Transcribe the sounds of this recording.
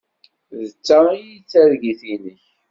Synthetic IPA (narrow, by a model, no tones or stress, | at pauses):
ðət͡sːajit͡sːæɾɡiθinəç